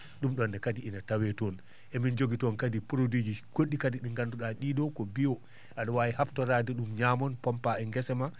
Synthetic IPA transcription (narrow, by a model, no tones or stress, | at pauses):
ɗumɗɔndɛkadiʔinatawɛtɔn | ʔɛmind͡ʒoɡitɔnkadipuɾodid͡ʒikoɗːikadiɗiŋɡanduɗaɗiɗɔkɔbiɔ | ʔaɗɔwajihabtɔɾaːdɛɗumɲaːmɔnpɔmpaɛŋɡɛsɛma